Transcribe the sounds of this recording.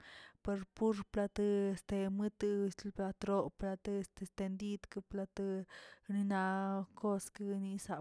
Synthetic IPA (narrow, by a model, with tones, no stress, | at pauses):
pe˧ɾpu˦ɾpla˧t̪ɨ˧est̪e˧mɨ˦t̪ɨ˧slpla˧t̪ɾo˧pla˧t̪ɨ˧est̪e˧st̪e˧nd̪i˦d̪kɨ˧pla˧t̪ɨni˧na˧ko˦skɨni˧saʔ